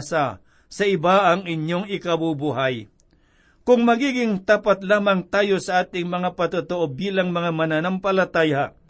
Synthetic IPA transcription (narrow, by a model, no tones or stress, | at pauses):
sa | sɐɪbaʔɐŋɪɲjoŋɪkɐbubuɦaj | kʊŋmɐɡiːɡɪŋt̪aːpat̪laːmaŋt̪aːjosɐʔaːt̪ɪŋmɐŋapɐt̪ʊt̪oʔobiːlaŋmɐŋamɐnanampɐlat̪aːja